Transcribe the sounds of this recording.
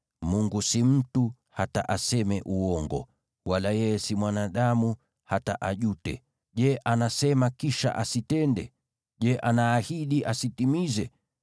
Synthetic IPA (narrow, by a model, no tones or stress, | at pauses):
muŋɡusim̩tu | hataʔasɛmɛʔuɔŋɡɔ̰ | walajɛjɛsimwanaɗamu | hataʔaʄutɛ̰ | ʄɛʔanasɛmakiʃa̰ʔasitɛndɛ̰ | ʄɛʔanaːhiɗiʔasitimizɛ